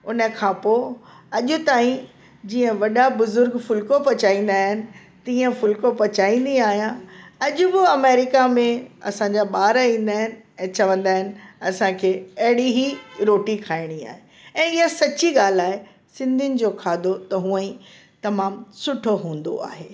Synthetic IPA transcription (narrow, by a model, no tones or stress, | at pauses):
ʊnə̆kʰãpo | ɐʄʊt̪aːĩ | d͡ʑiːə̃ʋɐɗabʊzʊɾɡfʊlkopɐt͡ɕaːĩːn̆d̪aːɦɪnɪ̆ | t̪ĩːə̃fʊlkopɐt͡ɕaːĩːnd̪ĩaːɦijãɐʄʊbɪɐmeːɾɪkamẽɐ̰sãɲd͡ʑaɓaːɾĩːn̆d̪aːɦɪnɪ̆ɛ̃ːt͡ɕɐʋə̃nd̪aːɦɪnɪ̆ɐsãkʰeːɐɦɪɽiɦiɾoːʈikʰaːɪɽ̃ia̰ːɦe | ɛ̃ːɪɦasɐt͡ɕiɠaːl̤aːɦe | sɪ̃nd̪ʱiɪnɪ̆d͡ʑoːkʰaːd̪ʱot̪ɐɦũːə̃ | t̪ɐmaːmsʊʈʰoɦũːn̆d̪o̰a̰ːɦeː